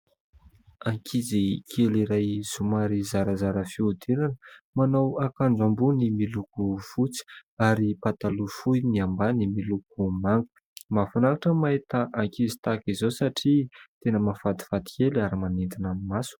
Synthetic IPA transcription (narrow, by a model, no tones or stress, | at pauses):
aŋkʰizikʰeliɾajz̥umaɾizaɾəzaɾəfiud̪enanəmanowakaɳd͡zambunimilukufut͡si̥aɾipat̪alufujniambanimiluk̚umaŋɡu̥ | mafanakaʈ͡ʂəmaet̪əʔaŋkizi̥t̪akizosaʈ͡ʂit̪enəmafad̪i̥fad̪i̥kelaɾimanint̪inamimasu̥